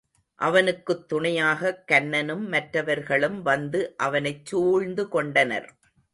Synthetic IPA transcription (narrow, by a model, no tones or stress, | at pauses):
ʔɐʋɐnɯkːɯt̪ːʊɳɐjaːɣɐkːɐnːɐnɯmːɐʈɾɐʋɐɾɣɐɭɯmʋɐnd̪ɯʔɐʋɐnɐɪt͡ʃːuːɻnd̪ɯkɔɳɖɐnɐ̰ɾ